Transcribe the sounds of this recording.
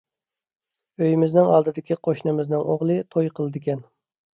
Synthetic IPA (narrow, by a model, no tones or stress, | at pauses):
øjmɪznɪŋɑlˠd̪ɨd̪ɪkʲʰiqʰoʃnɨmɪznɪŋoʁlˠɨt̪ʰojqʰəlˠɨd̪ɪkʲɛn